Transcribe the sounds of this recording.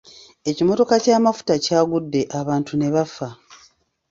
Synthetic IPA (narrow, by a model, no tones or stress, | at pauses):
e̞cimo̞to̞kacaːmafu̥tacaːɡudːe̞ʔaβaːntune̞βafa